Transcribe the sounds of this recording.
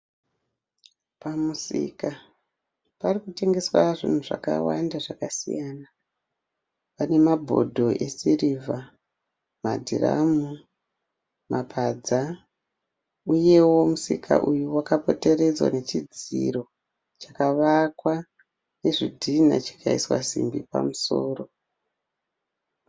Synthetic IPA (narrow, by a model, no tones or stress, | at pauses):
pamusḭka | parikute̞ŋɡe̞swaʐin̤uʐa̰ka̰wa̰ndaʐakasḭjaːna | pane̞mabʱo̞̰dʱo̞ʔe̞siriːva | ma̰dʱira̰mu | mapʰad͡za | uje̞wo̞musikʰa̰ʔujuwakapo̞te̞re̞d͡zwa̰ne̞t͡ʃid͡ziɾo̞ | t͡ʃḁkaʋakwa | ne̞ʐidʱina̰t͡ʃḁkaiswa̰zḭmbipa̰musoːro̞